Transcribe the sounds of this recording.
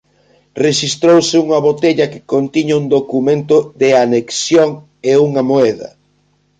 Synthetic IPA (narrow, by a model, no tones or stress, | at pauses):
reʃist̪ɾowsɪuŋɐβot̪eʎɐkɪ̥kont̪iɲɐuŋd̪okumẽnt̪ʊðeaneksjoŋ | euŋɐmoɛðɐ̰